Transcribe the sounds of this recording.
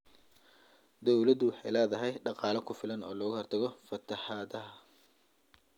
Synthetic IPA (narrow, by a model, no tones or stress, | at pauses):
d̪ɔwlɐd̪ʊwɑħɑjlɛːðɐɦɛjɖɑqɑːlɐkʰʊfɪlɐnɔːlɔːɣʊhɔrt̪ʰɐɣɔfɐt̪ʰɐħɑːðɐɦɐ